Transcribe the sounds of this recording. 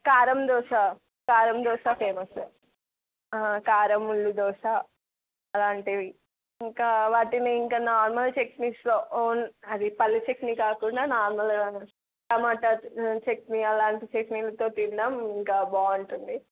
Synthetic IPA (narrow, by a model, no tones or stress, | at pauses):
kaːɾɐmd̪ɔːʂaː | kaːɾɐmd̪ɔːʃaːpʰeːmɐso | akaːɾɐmuɭːud̪ɔːʂaː | ɐlaːɳʈiʋi | iŋkaːʋaːʈineiŋkaːnaːɾmɐlt͡ʃekniːsloːʔoːnɐd̪ipɐlːit͡ʃeknikaːkuɳɖaːnaːɾmɐlɡaːnu | tɐmaːʈɐt͡ʃekniɐlaːɳʈit͡ʃekniːlɐt̪oːt̪inɖ̪aːmiŋkaːbaːuɳʈund̪i